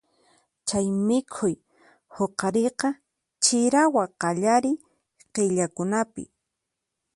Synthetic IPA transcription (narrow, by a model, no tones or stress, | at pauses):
t͡ʃajmɪkʰʊj | hoqɑɾɪqɑ | t͡ʃɪɾawaqɑʎaɾɪ | qeʎakʊnapɪ̰